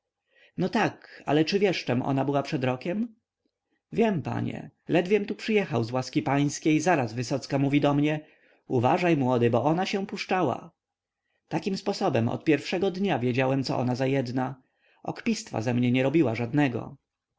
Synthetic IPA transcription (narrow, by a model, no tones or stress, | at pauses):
nɔt̪aka̰lɛt͡ʂɘvʲjɛʂt͡ʂɛmʔɔ̰nabɘwapʂɛd̪ɾɔkʲɛm | vʲjɛmpa̰ɲɛ̰lɛd̪vʲjɛmt̪upʂɘjɛxawzwaskʲipaj̃skʲejzaɾazvɘsɔt̪skamuvʲid̪ɔmɲɛ | uvaʐajmwɔd̪ɘbɔɔnaɕɛpuʂt͡ʂawa̰ | t̪akʲimspɔsɔbɛmɔ̰t̪̚pʲjɛɾfʂɛɡɔd̪ɲavʲjed͡ʑawɛmt̪sɔ̰ʔɔ̰nazajɛd̪na | ʔɔ̰kpʲist̪fa̰zɛmɲɛɲɛɾɔbʲiwaʐad̪nɛɡɔ̰